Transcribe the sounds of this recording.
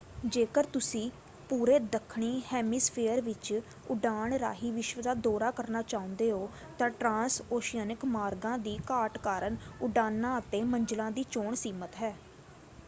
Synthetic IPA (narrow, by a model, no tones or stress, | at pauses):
d͡ʒeːkəɾt̪ʊsĩː | puːɾeːd̪əkʰɳiːhɛːmiːspʰeːəɾʋɪt͡ʃ | ʊɖaːɳɾa̰ːɦiːʋɪʃʋəd̪aːd̪ɔːɾaːkəɾnaːt͡ʃaːʊ̃nd̪eːɦoː | t̪ãːʈɾãːsoːʃijəːnɪkmaːɾɡãːd̪iːkaːʈkaːɾəɳʊɖaːnːaːət̪eːməɲd͡ʒəlãːd̪iːt͡ʃoːɳsiːmət̪ɦɛː